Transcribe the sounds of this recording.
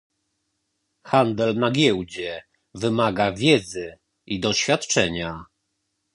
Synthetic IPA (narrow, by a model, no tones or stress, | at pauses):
xand̪ɛlnaɡʲjɛwd͡ʑɛ | vɘmaɡavʲjɛd̪zɘ | id̪ɔɕfʲjat̪t͡ʂɛɲa